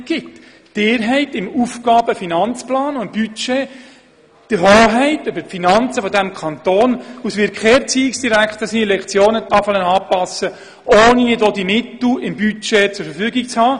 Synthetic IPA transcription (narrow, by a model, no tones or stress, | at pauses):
ɡ̥ɪtː | ɪːɾɦɛɪtɪmufɡɑːb̥əfinɑnt͡splɑːnʊb̥yt͡ʃeː | d̥əɦoːɦɛɪtøbəpfinɑnt͡səfɔdæmkʰɑnt̪oːnusʋɪɾkχɛːrt͡siːɪksd̥iɾækχt̪əsinilɛkχt͡sjoːnət̪ɑfɑlənɑːpɑsə | ʔoːniɪdod̪imɪt̪l̩ɪmbyt͡ʃet͡sʊɾfəɾfyːɡik̚t͡shɑː